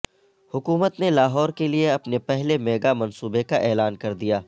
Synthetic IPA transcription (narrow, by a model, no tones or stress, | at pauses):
hʊkuːmət̪nelaːɦɔːɾkelieɐpnepɛɦlemeːɡamɐ̃nsuːbekaʔɛːlaːnkɐɾd̪ijaː